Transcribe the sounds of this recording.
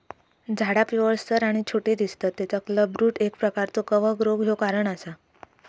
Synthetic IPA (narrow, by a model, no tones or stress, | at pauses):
d͡zʱaɽapiʋəɭst̪əɾaɽ̃it͡ɕʰoʈiːd̪ist̪at̪ːet͡sakləbɾuːʈek̚pɾəkaɾt͡sokəʋəɡɾoɡʱjokaɾəɳasa